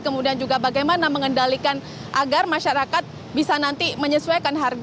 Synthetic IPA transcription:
kəmudiand͡ʒuɡabaɡajmanaməŋəndalikan | ʔaɡarmaʃaɾakat̪̚ | bisanant̪iməɲəsuajkanɦarɡ

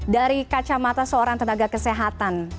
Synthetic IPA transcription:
daɾikat͡ʃamat̪asəoɾaŋt̪ənaɡakəseɦat̪an

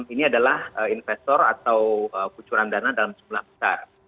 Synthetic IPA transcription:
iniadalahəinfɛst̪ɔra̰t̪awəkut͡ʃuɾandanadalamd͡ʒumlahbəsa̰r

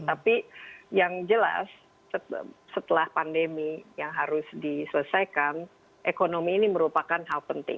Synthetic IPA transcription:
t̪apijaŋd͡ʒəla̰sː | əsət̪əlahpandemijaŋɦaɾʊsdisələsajkan | ʔekonomiːniməɾupakanɦalpənt̪ɪ̰ŋ

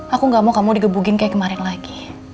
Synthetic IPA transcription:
akuŋɡamawkamudiɡəbuɡɪnkajakəmaɾɪnlaɡi̥

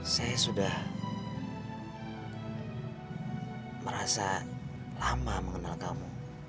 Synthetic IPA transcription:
sajasudah | məɾasa | lamaməŋənalkamu

